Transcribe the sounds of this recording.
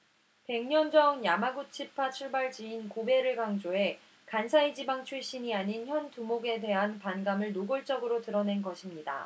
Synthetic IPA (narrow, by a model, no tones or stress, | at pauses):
pe̞ŋɲʌnd͡ʑʌnjamaɡut͡ɕʰipʰat͡ɕʰuɭbaɭd͡ʑiːnkobe̞ɾɯɭɡaŋd͡ʑoe̞ | kansʰaid͡ʑibaŋt͡ɕʰuɭɕ͈iɲiaɲinçjʌntumoɡe̞de̞ɦanpanɡamɯɭnoɡɯɭt͡ɕ͈ʌɡɯɾotɯɾʌne̞nɡʌɕʰimɲida̰